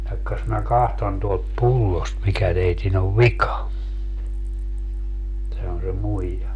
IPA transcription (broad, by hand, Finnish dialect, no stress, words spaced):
jɑkːɑs mæ kɑhton tuolt pulːost mikæ teitin oʋ ʋikɑ sɑno se muijɑ